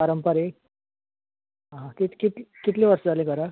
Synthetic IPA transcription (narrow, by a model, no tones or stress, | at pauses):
paɾəmpəɾe | ɦaɦãkit̪ʰkit̪lkit̪leʋəɾsəd͡zalẽɡʱəɾa